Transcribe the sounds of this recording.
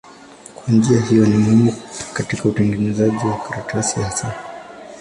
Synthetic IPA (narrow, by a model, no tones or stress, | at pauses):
kwand͡ʒiahijɔnimuhimukatikautɛŋɡɛnɛzaʄiwakaɾatasiasa